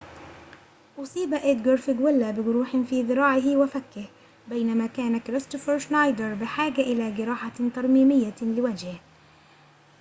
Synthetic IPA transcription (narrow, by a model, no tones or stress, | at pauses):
ʔʊsˤiːbaʔɪd̪ɡʊɾfɪɡwɪlːabɪɡʊɾuːħɪnfiːðˤɨɾɑːʕɪɦwafakːɪh | bajnamakaːnakɾɪst̪ʊfɑɾʃnajd̪ɑɾˤbɪħaːɡaʔɪlaːɡɪɾɑːħat̪ɑɾˤmiːmɪjːalɪwad͡ʒhɪh